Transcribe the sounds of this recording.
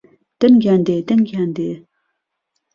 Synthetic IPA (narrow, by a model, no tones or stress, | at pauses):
t̪ənɡʲand̪et̪ənɡand̪e